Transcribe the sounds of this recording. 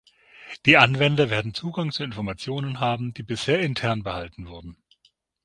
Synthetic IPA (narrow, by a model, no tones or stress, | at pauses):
d̥iːʔanvɛndɐveːɐdn̩t͡suːɡaŋt͡suɪnfɔɐmat͡sjoːnənɦaːbm̩d̥iːbɪsheːɐɪntʰɛɐnbəhaltn̩vʊɐdn̩